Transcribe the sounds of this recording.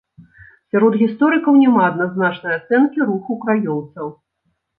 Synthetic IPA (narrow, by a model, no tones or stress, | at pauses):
sʲaɾɔd̪ɣʲist̪ɔɾɨkɐwnʲɛmaɐd̪naznat͡ʂnɐjat̪sɛnkʲiɾuxukɾajɔwt̪sɐw